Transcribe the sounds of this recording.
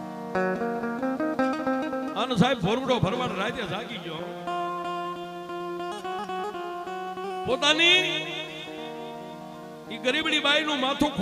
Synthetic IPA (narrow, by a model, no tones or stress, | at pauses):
aːnzaːɪbbʱoːɾbəɖoːbʱəɾʋaːɽɾaːit̪eːzaːɡiːd͡ʒõː | poːt̪aːniː | iːɡəɾiːɓɽiːɓaːiːnũːmaːt̪ʰõːkʰ